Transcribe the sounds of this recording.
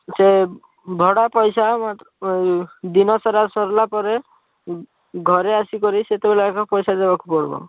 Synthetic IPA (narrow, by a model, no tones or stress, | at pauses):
se | bʱɔɽapɔjsamat̪ | d̪inɔsɔɾasɔɾlapɔɾe | ɡʱɔɾeasikɔɾiset̪ebelakɔpɔjsad̪ebakupɔɽbɔ̰